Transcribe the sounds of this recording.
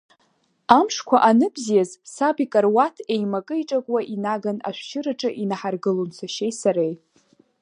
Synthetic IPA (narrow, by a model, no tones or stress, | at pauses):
amʂkʷʰaʔanɨbzijazsabikʼarwatʰe̞jmakʼɨiʈ͡ʂʼakʷʼwaʔinaɡana̰ʃʷʃɪɾɨʈ͡ʂʼɨʔinaħarɡɨlont͡sʷʰaʃejsaɾej